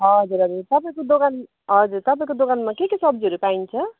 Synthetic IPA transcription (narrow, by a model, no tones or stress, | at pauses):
ɦʌd͡zuɾɦʌd͡zurt̪ʌpaĩkod̪okan | ɦʌd͡zurt̪ʌpaĩkod̪okanmakekesʌbd͡zɦʌɾupaint͡sʰʌ